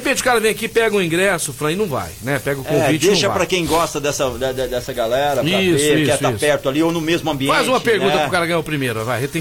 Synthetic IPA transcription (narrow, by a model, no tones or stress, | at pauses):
epẽt͡ʃɪʊ̥kaɾɐvẽj̃akipɛɡɐ̃ʊ̃ĩɡɾɛsʊfɾɐ̃ɪnɐ̃w̃va̰jnɛpɛɡɐʊkõvit͡ʃɪd̪ẽʃɐvapɾɐkẽj̃ɡɔst̪ɐd̪ɛsɐd̪ɛd̪ɛd̪ɛsɐɡalɛɾɐieʊikɛʊaispɛɾt̪ʊaliownʊmezmʊɐ̃mbiẽfazũmɐpeɾɡ̪ũɐpɾʊkaɾɐɡɐ̃ɲaʊpɾimejɾʊvajhet̪ẽ